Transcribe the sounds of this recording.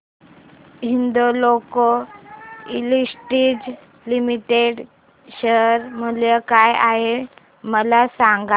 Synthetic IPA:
ɦind̪oloko | ilisʈiːd͡z | limiʈeɽ | ɕəɾmuljəkajaɦe | məlasaŋɡa

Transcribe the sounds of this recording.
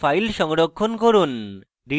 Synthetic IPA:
pʰajlʃɔŋɽɔkʰːonkɔɾun | ɾi

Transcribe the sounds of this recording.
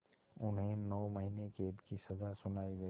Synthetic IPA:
ʊnɦẽnɔːmɐɦinekeːbkisɐzasʊnaːiɡɐ

